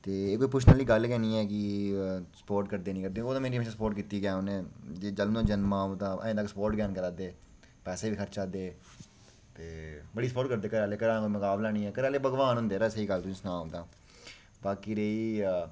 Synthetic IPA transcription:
t̪eːeːkoːiːp̬ʊt͡ʃʰnaːliːɡəlkɛːnĩːɛːkɪ | sə̥poːɾʈkəɾd̪eːniːkəɾd̪eːoːd̪ãːmeːɾiːmeːʃãːsəpoːɾʈkiːt̪iːɡɛːʊnẽːd͡ʒeːd͡ʒəlnõːd͡ʒənmaːd̪ãːʔə̰̃ẽːd̪əksəpoːɾʈɡɛːnkəɾaːd̪eː | pɛːseːbiːkʰəɾt͡ʃaːd̪eː | t̪eːbəɽiːsəpoːʈkəɾd̪eːkəɾaːleːkəɾãːkoːiməkaːblaːñiːɛːkəɾaːleːbəɡʋaːnɦʊ̃nd̪eːɾaːsəiːɡəlt̪ʊsĩːsnaːõːd̪aː | baːkiːɾeːiː

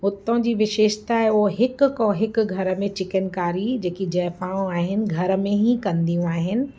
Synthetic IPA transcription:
ʊt̪õd͡ʑiːʋɪʃeːʃt̪ʰaɦeoɦɦɪkkõɦɪkɡʱɐɾə̆mẽt͡ɕɪkənkaːɾid͡ʑeːkid͡ʑɛːfãːõaːɦɪnɪ̆ɡʱɐɾəmẽɦĩkɐ̃nd̪ijũaːɦɪnɪ̆

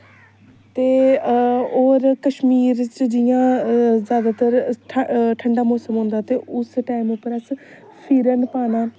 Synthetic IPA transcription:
t̪eː | oːɾkəʃmiːɾt͡ʃd͡ʒɪjãːzjaːd̪aːt̪əɾʈʰʈʰəɳɖaːmoːsəmɦõnd̪aːt̪eːʊsʈaːimʊpːəɾəs | pʰiːɾənpaːnaː

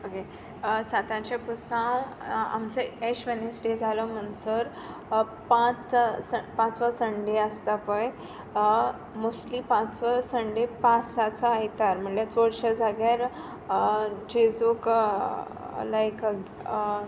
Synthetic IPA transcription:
oke | sat̪ãt͡ɕepusãw | a̰mt͡səeɕʋenesɖed͡zʱalɔm̤əɳsəɾ | pãt͡spãt͡sʋəsəɳɖeəst̪apəj | muslipãt͡sʋəsəɳɖepãsat͡səajt̪aɾm̤əɳlet͡soɽɕəd͡zʱaɡaɾ | d͡ʑed͡zok | laekɡ

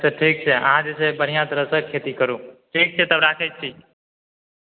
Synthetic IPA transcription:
seʈʰiːk̚t͡ʃʰeə̰ɦãd͡ʒesʰebəɽ̤ijãt̪əɾəsəkʰːeːt̪ikəɾũːʈʰiːk̚t͡ʃʰet̪əbɾaːkʰet͡ʃ̚t͡ʃʰiː

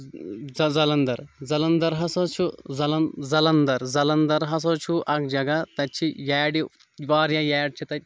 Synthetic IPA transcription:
zɐzɐlɐnd̪ɐɾzɐlɐnd̪ɐɾɦɐsɐt͡ʃʰuzɐlɐnzɐlɐnd̪ɐɾzɐlɐnd̪ɐɾɦɐs̬ot͡ʃʰuʔɐk̚d͡ʒɐɡɐt̪ɐtt͡ʃʰijɛːɖi | ʋaːɾjaːjɛːɖ̚t͡ʃʰit̪ɐ

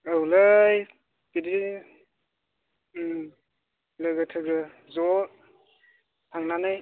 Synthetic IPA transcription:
ɯwlɯj | b̥idi | lɯɡɯtʰɯɡɯ | zɔ | tʰaŋnanɯj

